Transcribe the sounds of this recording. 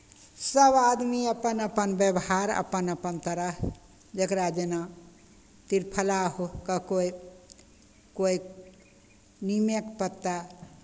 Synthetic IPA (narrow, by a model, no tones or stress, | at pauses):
səbad̪miəpənəpənbjəbɦaɾə̰pənəpənt̪əɾəɦ | d͡ʒekɾad͡ʒena | t̪iɾpʰəlaɦokəkoj | koi | nimekpət̪ːa